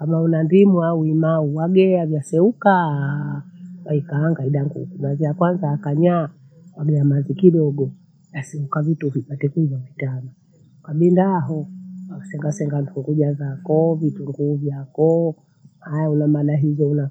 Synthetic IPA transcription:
kamaunandimuauimauwaɡɛavjasɛuka | waikaːŋɡaiɗaŋɡṵkumazijakwanzaːkaɲa | waɡɛamazikiɗɔɡɔ | jasɛukavituvipatɛkwizavitama | kaɓindaɦɔasɛŋɡasɛŋɡanduŋɡuʄazakɔvituŋɡuːvjakɔ | hajaunamaɗaɦizɔuna

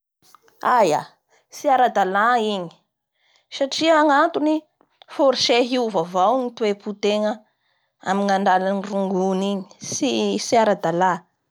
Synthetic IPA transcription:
aja̰ | siaɾad̪alaiɲi̥ | saʈ͡ʂiaŋant̪uni | foɾʃeɦiuvavawnit̪weput̪eŋə | a̰miŋaɳɖ͡ʐalaniruŋɡuniɲi̥sisiaɾad̪ala

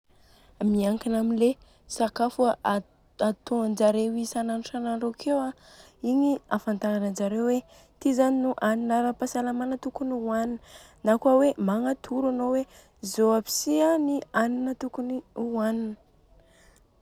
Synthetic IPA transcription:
miaŋkinaminle | sakafua | at̪oŋand͡ʒaɾewisananuʈ͡ʂananɾokʰewa | iɲiafant̪aanand͡ʒaɾewwe | t̪izaninuʔaninaɾapasalamanət̪ukunuaninə | nakwawemaŋat̪ʰuɾanowe | zoapi̥sianianinət̪ukuniuaninə̥

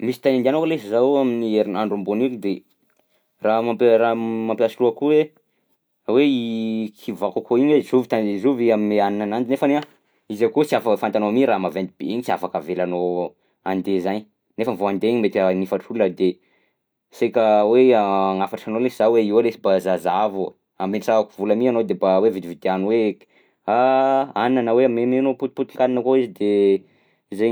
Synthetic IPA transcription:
misi̥t̪anind̪ianokəlesizawaminieɾinaɳɖ͡ʐumbonilid̪e | ramapramampiasiluakuwe | weikʰivakakoiɲwezuvit̪anizuviamineaninanand͡ʒinefana | izakut͡siafakfant̪anomiɾamavent̪ib̥ḛiɲit͡sia̰fakavelano | and̪ezaɲ | nefənvoand̪eɲimet̪anifaʈ͡ʂuləd̪e | sekəweaŋafaʈ͡ʂanolesizaweiwalesibazazavu | ambenʈ͡ʂaakuvuləmianod̪ebawevid̪ivid̪eanuwe | aaninanəweamimemenoput̪̚put̪i̥ŋkaninəkoizid̪e | ze

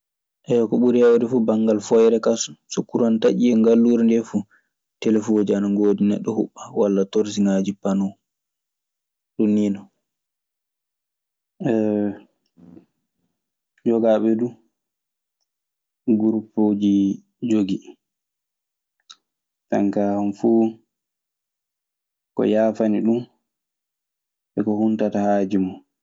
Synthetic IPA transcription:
ʔɛjɔkɔɓuɾiawɾɛfubaŋɡalfɔjɾɛkasu̥sɔkːuɾantaʔiɛŋɡalːuɾndɛfu | tɛlɛfd͡ʒianaŋɡoːdinɛɗːɔhṵɓːawalːatɔɾsiŋad͡ʒipanɔ | ɗunːinɔ | ɛ | d͡ʒɔɡaɓɛɗu | ɡuɾupːod͡ʒi | d͡ʒoɡi | ta̰ŋkahanfuː | kɔ̰jaːfaniɗum | ɓɛkɔhuntatahaːd͡ʒima

